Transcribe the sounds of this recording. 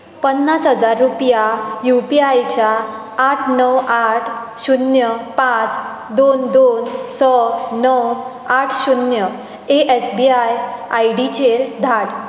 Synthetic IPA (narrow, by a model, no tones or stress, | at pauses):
pənːasɦəd͡zaɾːupjajupiajt͡ɕjaː | ʈʰnəwaʈʰ | ɕunjəpãt͡s | d̪ond̪onsəːəw | aʈʰɕunjə | eʔɛsbiajajɽit͡ɕeɾd̪ʱaɽ